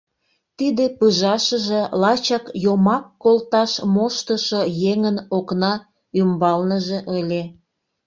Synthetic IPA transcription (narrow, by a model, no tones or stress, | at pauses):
t̪id̪epɯʒɑʃəʒelɑt͡ɕɑkjomɑkːolt̪ɑʃmoʃt̪əʃojeŋənoknɑ | ymbɑlnəʒeʔəlʲe